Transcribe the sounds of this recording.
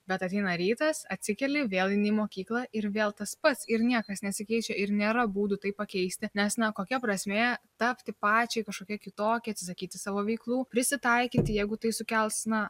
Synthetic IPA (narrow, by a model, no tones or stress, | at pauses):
bʲɛt̪ɐt̪ʲɛɪnɐɾʲiːt̪ɐsɐt̪ʲsʲɪkʲɛlʲɪʋʲeːlˠɪnʲimoːkʲiːklˠɐʔɪɾʋʲeːlˠt̪ɐspɐt̪sɪɾnʲiɛkɐsnʲɛt̪ʲsʲɪkʲɛɪt͡ʃʲɛɪɾnʲeːɾɐbuːd̪ʊt̪ɐɪppːɐkʲɛɪsʲt̪ʲɪnʲɛsnɐkoːkʲɛpɾɐsʲmʲeːt̪ɐpʲt̪ʲɪpɑːt͡ʃʲɛɪkɐʃkoːkʲiɛkʲɪt̪oːkʲɪɐt̪sʲɪsɐkʲiːt̪ʲɪsɑːʋoːʋʲɛɪklˠuːpʲɾʲɪsʲɪt̪ɐɪkʲɪt̪ʲɪjɛɪɡʊt̪ɐɪsʊkʲɛlˠsnɐ